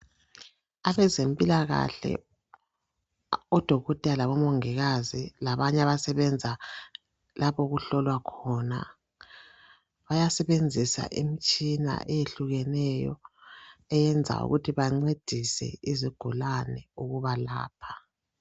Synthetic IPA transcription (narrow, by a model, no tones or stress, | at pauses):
aβɛzempʼilaɣa̰ɬɛ̰ | ɔd̥ʱɔɣɔtʼalaβɔmoŋiɣazilaβaɲaβasɛβɛnd͡zʱa | lʔaβɔɣuɬɔlwakʰɔna̰ | βajasɛβend͡zʱisa̰ʔimit͡ʃʼina̰ʔɛjeɬuɣɛnɛjɔ̰ | ɛjɛnd͡zʱa̰ṵɣṵtʰiβaŋ͡ǀed̥ʱisɛ̰iziɡ̥ʱulanɛuɣuβala̰ːpʰḁ